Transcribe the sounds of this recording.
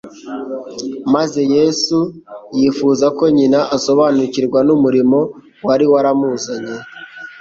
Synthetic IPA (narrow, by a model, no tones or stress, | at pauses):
maze̞je̞sujifuzako̞ɲinaʔaso̞βaːnuciɾɡwanumuɾimo̞ | waɾiwaɾamuːzaɲe̞